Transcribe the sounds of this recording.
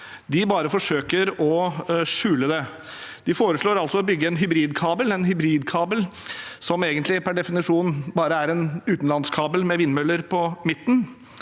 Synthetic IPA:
d̪ɪbɑːɾəfɔʂøːkəɾɔʂʉːləd̪ɛ | d̪̥ɪfoːɾəʂɭoːɾɑlsɔɔbʏɡːəɛnɦʏbɾiːd̪kʰɑːbəlɛnɦʏbɾiːd̪kʰɑːbəlsɔmeːɡənt̪lɪpʰæɖɛfɪnɪʂuːnbɑːɾəæɾɛnʉːt̪n̩lɑnskʰɑːbəlmɛʋɪnːmœlːəɾpʰɔmɪt̪ːn̩

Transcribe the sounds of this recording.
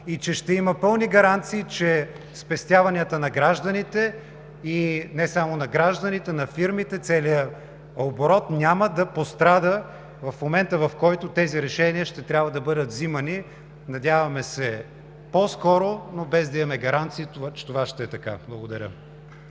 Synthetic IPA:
it͡ʃɛʃt̪ɛiməpɤlˠniɡɐɾant̪siːt͡ʃɛ | spɛst̪ʲjavɐnʲiət̪ənɐɡɾaʒd̪ənit̪ɛ | inɛsamonɐɡɾaʒd̪ənit̪ɛnɐfiɾmit̪ɛt̪sɛlijə | oboɾɔt̪nʲjaməd̪ɐpost̪ɾad̪ə | vɐfmomɛnt̪əvɐfkɔjt̪ot̪ɛziɾɛʃɛniəʃt̪ɛt̪ɾʲabvɐd̪ɐbɤd̪ət̪zimɐni | nɐd̪ʲavɐmɛsɛ | pɔskɔɾonobɛzd̪ɐimɐmɛɡɐɾant̪siːt̪at͡ʃɛ̥t̪ovaʃt̪ɛɛt̪ɐka̰blˠɐɡod̪ɐɾʲə̰

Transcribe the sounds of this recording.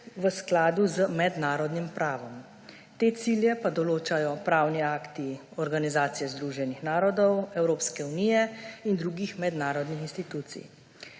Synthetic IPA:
ʋəsklaːd̪uzəmɛd̪naːɾɔd̪nimpɾʔaːʋɔm | t̪eːt̪siljɛpad̪ɔloːt͡ʃajɔpɾaːwniaːkt̪iɔɾɡanizaːt̪sijɛzd̪ɾuʒɛnixnaːɾɔd̪ɔwɛwɾoːpskɛuniːjɛind̪ɾuːɡixmɛd̪naːɾɔd̪nixinst̪it̪uːt̪sḭj

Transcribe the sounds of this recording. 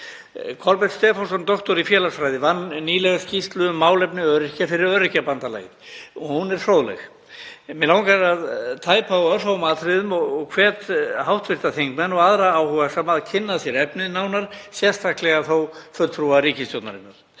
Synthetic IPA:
kʰɔlpɛt̪st̪ɛːfɔsɔnt̪ɔht̪ɔɾifjɛːlasfɾajðɪvanːiːlɛɣascist̪lʏʏmːaːwlɛpnɪœɾɪcafɪɾɪɾœɾɪcapant̪ala̰ːjɪ | ɔhunɛɾ̥θɾowðlɛ̰ɣ | mɛlawŋkaɾaðt̪ʰaːjpaɔœr̥howmaːðθɾɪðʏmɔɣɔɣkʰvɛːt̪ɦawht̪vɪɾ̥t̪aθeŋkmɛnɔɣaðɾaaːwhɔɣasɛmaðcʰɪnːaðsjɛɾɛpnɪðnaːwnaɾ̥sjɛ̥st̪ʰahklɛɣaθowfœɾt̪fɾuaɾiːcɪst̪jowt̪naɾɪnːaɾ̥

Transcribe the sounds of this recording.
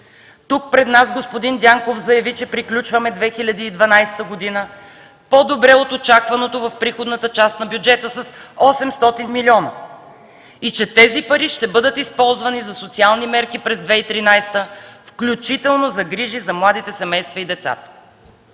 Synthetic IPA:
t̪uk̚pɾɛd̪nazɡospod̪ind̪ʲaŋkofzɐjɐvit͡ʃɛpɾiklʲut͡ʃvɐmɛd̪vɛxilʲɐd̪iːd̪vɐnajsɛ̥t̪əɡod̪inə | pod̪obɾɛot̪ot͡ʃakvɐnot̪ovɐfpɾixod̪nət̪ət͡ʃast̪nɐbjud͡ʒɛt̪əsɐsɔsɛmst̪ɔt̪inmilʲiɔnə | it͡ʃɛt̪ɛzipɐɾiʃt̪ɛbɤd̪ət̪ispɔlˠzvɐnizɐsot̪sialˠnimɛɾkipɾɛzd̪vɛit̪ɾinajst̪əfklʲut͡ʃit̪ɛlˠnozɐɡɾiʒizɐmlˠad̪it̪ɛsɛmɛjst̪vɐid̪ɛt̪sa̰t̪ə̥

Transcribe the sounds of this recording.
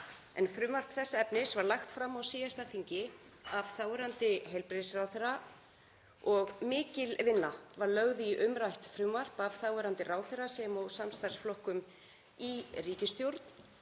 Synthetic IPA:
ɛ̰nfɾʏːmvar̥pθɛsːaɛpnɪsvaɾlaxt̪fɾamːawsiːjast̪aθiɲcɪ | av̥θawɛɾant̪ɪɦejlpɾeðsrawθɪɾa | ɔɣmɪːcɪlvɪnːavaɾlœɣðɪiʔʏmɾajht̪fɾʏːmvar̥pavθawɛɾant̪ɪraːwθɛɾasɛmɔwsamst̪aɾ̥sflɔhkʏm | iriːcɪst̪jowɾt̪n̥

